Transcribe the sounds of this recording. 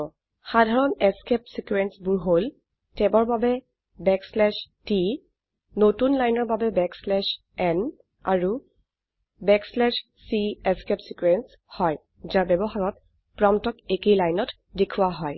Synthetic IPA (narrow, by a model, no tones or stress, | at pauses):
xadʱaɹɔnɛskɛp̚sikuɛnsbʊɹɦol | tɛbɔɹbabɛ | bɛkslɛʃti | notunlajnɔɹbabɛbɛkslɛʃ | ɛn | a̰ɹu | bɛkslɛʃ | siɛskɛpsikwɛns | hɔj | zaɹbɛbɔxaɹɔt̚ | pɹɔmtɔkekejlajnɔt | dekʰuwaɦɔj